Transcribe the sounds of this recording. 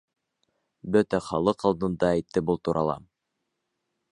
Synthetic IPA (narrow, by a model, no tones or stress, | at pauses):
bɵt̪æχɑlˠɤqɑlˠd̪ɤ̆nd̪ɑæjt̪ːɘbulˠt̪uɾʔɑlˠɑ̰